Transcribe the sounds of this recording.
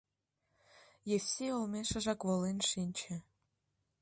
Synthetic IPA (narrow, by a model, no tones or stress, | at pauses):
jefʲsʲeolmeʃə̆ʒɑkβolenʃinʲt͡ɕĕ